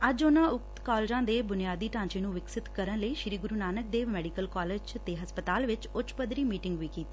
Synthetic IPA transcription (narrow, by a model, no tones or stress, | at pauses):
əd͡ʒʊnãːʊk̚t̪kɔːld͡ʒãːd̪eːbʊnɪjaːd̪iːʈãːɲt͡ʃeːnũːʋɪksɪt̪kəɾənləiːʃɾiːɡʊɾuːnaːnək̚d̪eːʋmɛːɖiːkəlkɔːleːd͡ʒt̪eːɦəspət̪aːlʋɪt͡ʃʊt͡ʃpəd̪ɾiːmiːʈɪŋɡʋiːkiːt̪iː